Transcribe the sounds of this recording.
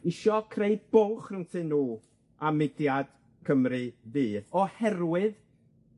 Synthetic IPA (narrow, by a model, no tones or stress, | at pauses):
ɪʃɔkʰrejb̥owχrɨntʰɨnːuː | amɪdjad̥ | kʰəmrɨðiːɔhɛrwɨð